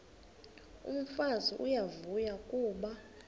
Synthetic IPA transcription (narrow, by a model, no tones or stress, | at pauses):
ṵm̩faziʔujavujakʼuːɓa